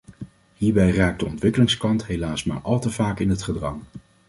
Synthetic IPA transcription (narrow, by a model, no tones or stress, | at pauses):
ɦiːɹbɛjraːk̚dəɔntʋɪkəlɪŋskɑntɦejlaːsma̰ːɹʔɑlˠtəv̥aːkɪnɦətχədrɑŋ